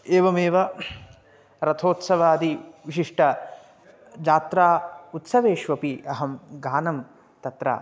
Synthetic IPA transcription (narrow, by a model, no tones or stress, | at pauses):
eːʋɐmeːʋɐ | ɾɐt̪ʰoːt̪sɐʋaːd̪iʋiʃiʂʈʰɐ | d͡ʒaːt̪ɾaːut̪sɐʋeːʃʋɐpiɐɦɐmɡaːnɐm | t̪ɐt̪ɾa̰ː